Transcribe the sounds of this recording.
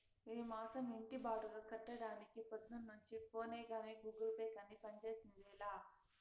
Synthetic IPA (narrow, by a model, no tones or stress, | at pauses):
iimaːsɐmiɳʈibaːʈuɡaːkɐʈːɐɽaːnikipɐd̪nɐnːuɲt͡ʃipoːneːɡaːneːɡuːɡɐlpeːkɐnipɐɲt͡ʃe̞ːsinɐʋɛːlaː